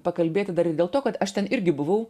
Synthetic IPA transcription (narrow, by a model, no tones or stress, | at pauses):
pɐkɐlʲbʲeːt̪ʲɪd̪ɐɾɪd̪ʲeːlˠt̪oːkɐt̪ɐʃt̪ʲɛnɪɾʲɡʲɪbʊʋɐʊ